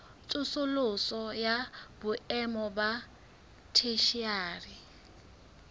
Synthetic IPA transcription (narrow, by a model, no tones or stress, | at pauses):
t͡sʼʊsʊlʊsɔjabʊɛmɔba | tʰeʃiaːri